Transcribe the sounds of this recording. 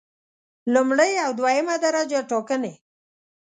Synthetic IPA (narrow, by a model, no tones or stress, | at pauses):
lumɽəjawd̪wajəmad̪aɾad͡ʒaʈokəne